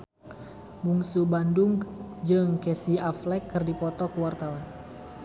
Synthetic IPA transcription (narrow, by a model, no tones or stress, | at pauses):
muŋsubandʊŋd͡ʒɨŋkɛsiaflɛkːɨrdipɔt̪ɔkəwart̪awan